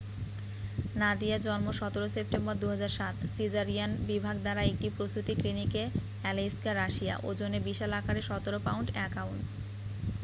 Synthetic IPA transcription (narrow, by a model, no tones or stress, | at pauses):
nad̪iad͡ʑɔnmoʃɔt̪oɾosep̚ʈembɔɾd̪uɦad͡ʑaɾʃat̪sid͡ʑaɾianbibʱaɡd̪aɾaek̚ʈipɾost̪ut̪iklinike | ɛliskaɾaʃija̰ʔo̰d͡ʑonebiʃalakaɾeʃɔt̪oɾopawɳʈɛkauns